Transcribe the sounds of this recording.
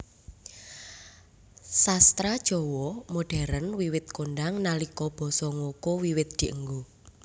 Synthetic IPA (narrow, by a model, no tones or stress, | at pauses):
sast̪ɾad̥ʒ̥ɔ̤wɔmoɖ̥ɛ̤ɾənwiwɪt̪̚konɖaŋnalikɔb̥ɔ̤sɔŋokowiwɪt̪̚d̪̥i̤ʔəŋɡo